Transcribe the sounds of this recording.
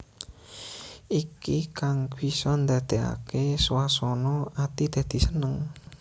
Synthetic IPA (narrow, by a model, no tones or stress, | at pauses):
ikikaŋkwisɔnd̪a̤d̪̥ea̰keswasɔnɔʔat̪id̪̥a̤d̪̥i̤sənəŋ